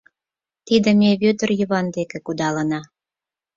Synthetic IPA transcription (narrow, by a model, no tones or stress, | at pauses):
t̪id̪ə̆meβøt̪ə̆rjəβɑnd̪ekekud̪ɑlənɑ